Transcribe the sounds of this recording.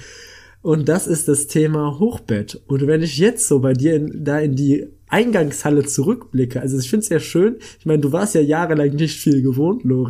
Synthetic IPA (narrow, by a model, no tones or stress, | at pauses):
ʔʊntd̥asɪst̚d̥astʰeːmaɦoːxb̥ɛtʔʊntvɛnɪçjɛt͡stz̥oːbaɪdiːɐɪndaːɪndiːʔaɪnɡaŋshalət͡suʁʏkb̥lɪkʰəʔalzoɪçfɪntsjeːɐʃøːnʔɪçmaɪnəduːvaɐstjaːjaːʁəlaŋnɪçtfiːlɡəvoːntʰloːʁi